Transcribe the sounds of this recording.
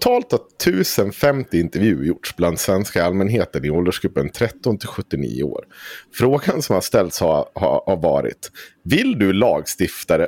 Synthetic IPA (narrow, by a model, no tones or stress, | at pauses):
t̪ʰɑːlt̪at̪ʰʉ̟ːsənfɛmt̪ɪɪnt̪ɛɾvjʉ̟ːɾjʊʈʂbland̪svɛnskaalmɛnɦeːt̪ənɪɔld̪əʂkɵpːənt̪ʰɾɛt̪ːɔnt̪ʰɪlɧɵt̪ːɪnḭːʊ̰o̰ːɾfɾoːɡansɔmhaʂt̪ɛlt̪shaha̰haɾvɑ̰ːɾɪ̰t̪vɪld̪ɵlɑːɡst̪ɪft̪aɾə